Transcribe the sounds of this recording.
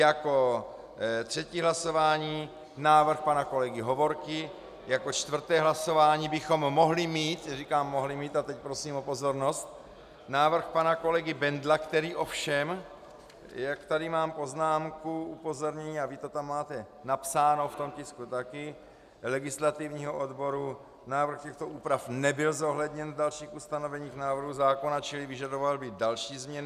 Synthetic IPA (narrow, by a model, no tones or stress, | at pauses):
jako̞ | t̪r̝̥ɛciːɦlaso̞vaːɲiː | naːvr̩xpanako̞lɛɡɪɦo̞vo̞ɾkɪ | jakot͡ʃt̪vr̩t̪ɛːɦlaso̞vaːɲiːbɪxo̞mːo̞ɦlɪmiːt̪rikaːmːo̞ɦlɪmiːt̪at̪ɛc̚pɾo̞siːmopo̞zo̞ɾno̞st̪ | naːvr̩xpanako̞lɛɡɪbɛndlakt̪ɛɾiːʔofʃɛm | jakt̪adɪmaːmpo̞znaːmkuupo̞zo̞ɾɲɛɲiːavɪt̪ot̪amːaːt̪ɛ | napsaːnoft̪o̞mcɪskut̪akɪ | lɛɡɪslat̪ivɲiːɦoʔodbo̞ɾu | naːvr̩xcɛxt̪oʔuːpɾafnɛbɪlzo̞ɦlɛd̪ɲɛndalʃiːxust̪ano̞vɛɲiːxnaːvɾr̩ɦuzaːko̞nat͡ʃɪlɪvɪʒadovalbɪdalʃiːzmɲɛn